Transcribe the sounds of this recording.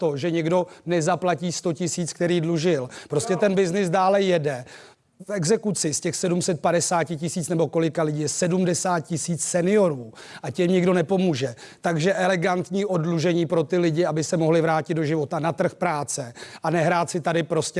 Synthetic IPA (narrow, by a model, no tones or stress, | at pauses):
t̪o̞ʒɛɲɛɡdo̞nɛzaplaciːst̪o̞cɪsiːt͡skt̪ɛɾiːdluʒɪlpɾo̞scɛt̪ɛnbɪznɪsdaːlɛjɛdɛ | fɛɡzɛkut͡sɪscɛxsɛdumsɛt̪̚padɛsaːcɪcɪsiːt͡snɛbo̞ko̞lɪkalɪɟijɛsɛdumdɛsaːt̪̚cɪsiːt͡ssɛnɪjo̞ɾuːʔacɛmɲɪɡdo̞nɛpo̞muːʒɛt̪aɡʒɛʔɛlɛɡant̪ɲiːʔo̞dluʒɛɲiːpɾo̞t̪ɪlɪɟɪabɪsɛmo̞ɦlɪvɾaːcɪd̪̚doʒɪvo̞t̪anat̪r̩xpɾaːt͡sɛʔanɛɦɾaːt̪t͡sɪt̪adɪpɾo̞scɛ